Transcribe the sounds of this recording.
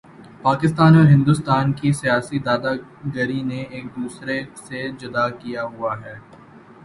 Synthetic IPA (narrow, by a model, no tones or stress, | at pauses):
paːkɪst̪aːnɔːɾɦɪ̃nd̪ʊst̪aːnkisijaːsid̪aːd̪aɡəɾineeːk̚d̪uːsɾesed͡ʒʊd̪akijaɦuaɦɛː